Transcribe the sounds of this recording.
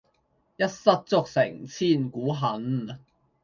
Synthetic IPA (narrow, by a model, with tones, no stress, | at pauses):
jɐ˥t̚sɐ˥t̚t͡sʊ˥k̚sɪ̰˨˩ŋt͡sʰiː˥˩nkuː˨˥ɦɐ˨˥n